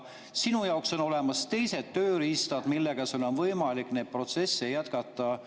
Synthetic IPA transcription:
sinujɑokso̞no̞le̞mɑst̪e̞jse̞d̪̥ːø̞ːɾist̪ɑd̪̥milːe̞ɡ̥ɑsolonvɤjmɑlikːˑneːd̪̥̚pro̞t̪se̞sːejæt̪kɑt̪ːˑɑ

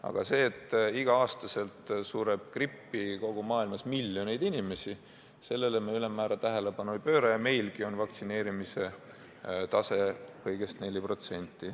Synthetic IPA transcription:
ɑ̰ɡ̥ɑse̞ːt̪ːˑiɡ̥ɑɑːst̪ɑse̞lt̪suɾeb̥̚kripːiko̞ɡ̥umɑːilmɑsmiljone̞jd̪inʲime̞si | se̞lːe̞lemeylemːæːɾɑt̪æɦe̞le̞pɑnujpø̞ːɾɑjɑme̞jlɡ̥io̞nvɑkt̪sine̞ːɾimise̞ | t̪ɑse̞kɤjɡ̥e̞st̪ne̞lʲipro̞t̪se̞nʲt̪ˑːi

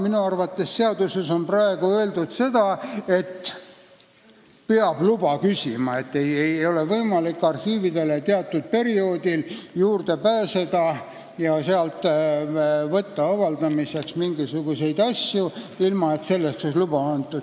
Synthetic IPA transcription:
minuɑrvɑt̪ːe̞sse̞ɑd̪use̞so̞nprɑe̞ɡ̥uøeld̪ud̪̥se̞d̪̥ɑe̞t̪ː | peɑb̥lubɑkysʲimɑe̞t̪ːejejo̞le̞vɤjmɑlikːɑrhiːvid̪e̞le̞t̪eɑt̪ːud̪̥̚pe̞ɾio̞ːd̪iljuːrd̪̥e̞pæːse̞d̪̥ɑ | jɑseɑlt̪ːˑ | vɤt̪ːɑɑvɑld̪̥ɑmise̞ksmiŋɡisuɡ̥use̞jd̪ɑsʲjuilmɑe̞t̪se̞lːeksonlub̥ɑɑnt̪ːˑud̥̪

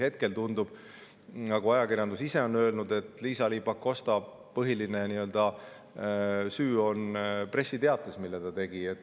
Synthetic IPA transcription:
he̞t̪̚ke̞lt̪und̪ub̥ | nɑɡ̥uɑjɑkirjɑnd̪usise̞o̞nø̞ːlnud̪e̞t̪ˑliːsɑliːpɑkːˑo̞st̪ɑ | pɤɦiline̞niø̞ld̪̥ɑ | syːo̞npre̞sːit̪e̞ɑt̪lesmilːet̪ɑt̪e̞ɡ̥iet̪ːˑ

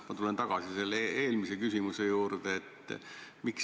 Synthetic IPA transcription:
mɑt̪ule̞nt̪ɑɡ̥ɑsise̞lːee̞ːlmise̞kysʲimuse̞juːɾd̪eet̪ːmiks

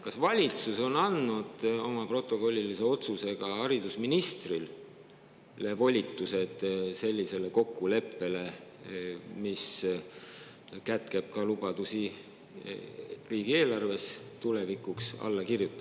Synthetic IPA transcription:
kɑsvɑlʲit̪suso̞nɑnːud̪̥o̞mɑpro̞t̪ːˑo̞ko̞lʲːilise̞o̞t̪suse̞ɡ̥ɑɑɾid̪usminist̪ril | le̞vo̞lʲit̪ˑːuse̞d̪̥se̞lʲːise̞leko̞kːule̞pːe̞le̞ | mis | kæt̪ke̞b̥̚kɑlub̥ɑd̪usi | riːɡ̥ie̞ːlɑrve̞st̪ulevikuksɑ̰lːɑkirjut̪ːˑɑ̥

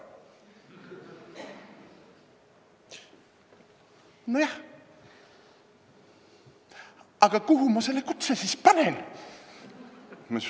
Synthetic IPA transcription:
nojɑh | ɑɡ̥ɑkuɦumɑselːekut̪sesispɑnen | mɑ

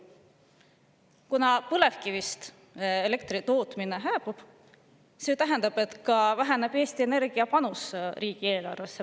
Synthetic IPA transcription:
kunɑpɤle̞fkivist̪ | ele̞k̚t̪rit̪o̞ːt̪mine̞ɦæːpub̥ | se̞ːt̪æɦe̞nd̪̥ɑb̥e̞t̪kɑvæɦenebe̞ːst̪ie̞ne̞ɾɡ̥iɑpɑnusriːɡ̥ie̞ːlɑ̰rvesːe

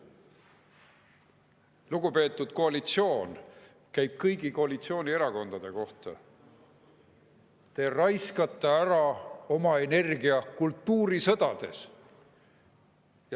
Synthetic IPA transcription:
luɡ̥upe̞ːt̪ˑːud̪̥ko̞ɑlit̪sio̞ːn | kæjb̥̚kɤjɡiko̞ɑlit̪sio̞ːnʲie̞ɾɑko̞nd̪ɑd̪̥e̞ko̞ht̪ɑ̰ | t̪e̞ːrɑjskɑt̪ːˑeæɾɑo̞mɑe̞ne̞rɡiɑkult̪ːuːɾisɤ̞d̪̥ɑd̪̥e̞s | j

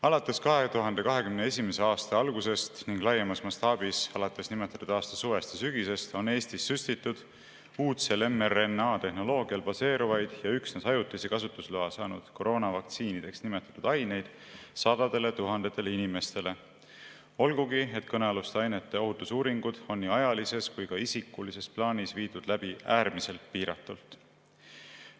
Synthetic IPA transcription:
ɑlɑt̪ːˑe̞skɑɦe̞t̪uɦɑnd̪e̞kɑɦe̞kymneesʲime̞se̞ɑːst̪ɑɑlɡuse̞st̪niŋɡ̥lɑjːemɑsmɑst̪ɑːbisɑlɑt̪ːˑe̞snimet̪ˑːɑ̥t̪ud̪ɑːst̪ɑsuve̞st̪esyɡ̥ise̞st̪o̞ne̞ːst̪isːyst̪it̪ːˑud̪̥ | uːt̪selemerenːɑːt̪e̞hno̞lo̞ːɡ̥iɑlbɑse̞ːɾuvɑjd̪̥jɑyksnesɑjut̪ːˑisekɑsut̪ːˑusluɑsɑːnud̪̥ko̞ɾo̞ːnɑvɑkt̪siːnid̪̥e̞ksnimet̪ːˑɑ̥t̪ːud̪̥ɑjne̞jd̪̥ | sɑd̪̥ɑd̪̥e̞le̞t̪uɦɑnd̪̥e̞t̪ːˑeleinime̞st̪e̞le̞ | o̞lɡuɡie̞t̪kɤneɑlust̪ɑjnet̪ːˑe̞o̞ɦut̪ːusuːɾiŋɡ̥ud̪̥o̞nːiɑjɑlise̞skujkɑisikːˑulise̞splɑːnisviːd̪̥ud̪̥læb̥iæːɾmise̞lt̪̚piːɾɑ̰t̪ːˑult̪ˑ

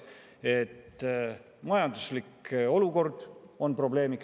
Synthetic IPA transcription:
e̞t̪ː | mɑjɑnd̪usliko̞luko̞rd̪̥ | o̞npro̞ble̞ːmik

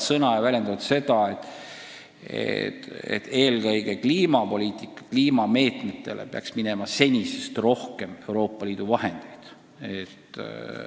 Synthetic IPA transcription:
sɤnɑjɑvælʲje̞nd̪ɑvt̪se̞d̪̥ɑe̞t̪ːˑ | ḛt̪ḛt̪ːe̞ːlkɤjɡ̥e̞kliːmɑpo̞lʲiːt̪ˑikːˑɑ̥kliːmɑme̞ːt̪me̞t̪ːˑe̞le̞̰peɑ̰ksmine̞mɑse̞nʲise̞st̪ro̞hke̞me̞wɾo̞ːpˑːɑliːd̪̥uvɑhe̞nd̪̥e̞jd̪̥ | et̪ː

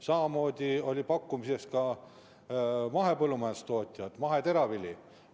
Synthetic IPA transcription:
sɑmɑmo̞ːd̪̥ʲio̞lʲipɑkːˑumise̞skɑ | mɑɦe̞pɤlːumɑjen̥st̪o̞ːt̪ʲˑijɑd̪̥mɑɦe̞t̪eɾɑvilʲːi

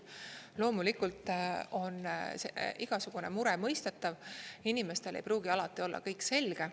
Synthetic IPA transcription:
lo̞ːmulikult̪ˑo̞nːseʔiɡ̥ɑsuɡ̥une̞muɾɛmɤjst̪et̪ːˑɑvinime̞st̪e̞lʔejpruːɡ̥iɑlɑt̪ːˑio̞lːɑ̰kɤjkse̞lʲɡ̥e̞

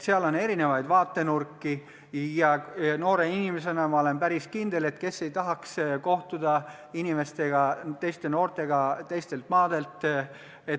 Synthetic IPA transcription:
seɑlo̞nːe̞ɾine̞vɑjd̪vɑːt̪ːe̞nurkːi | jɑno̞ːɾe̞inimes̬e̞nɑmɑole̞npæɾiskind̪e̞le̞t̪ːke̞sːe̞jt̪ɑɦɑksko̞ht̪ud̪̥ɑ | inime̞st̪e̞ɡ̥ɑt̪e̞jst̪e̞no̞ːrt̪e̞ɡ̥ɑt̪e̞jst̪e̞lt̪mɑːd̪̥e̞lt̪ˑ | e

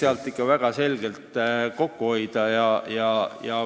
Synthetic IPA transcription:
eɑlt̪ːˑikːɑvæɡ̥ɑse̞lɡ̥elt̪ko̞kːuho̞jd̪̥ɑjɑjɑjɑ

